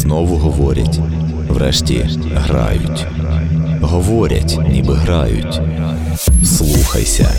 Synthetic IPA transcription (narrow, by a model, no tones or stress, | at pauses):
nɔʋʊɦɔʋɔɾʲɐtʲ | ʋɾɛʃtʲi | ɦɾɑ̰jʊtʲ | ɦɔʋɔɾʲɐ̰tʲnʲibɪɦɾɑjʊ̰tʲ | slˠuxɐ̰jsʲɐ